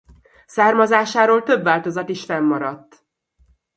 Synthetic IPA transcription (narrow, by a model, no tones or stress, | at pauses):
saːrmɒzaːʃaːɾoːlt̪ø̞bvaːlt̪o̞zɒt̪iʃfɛmːɒɾɒt̪ː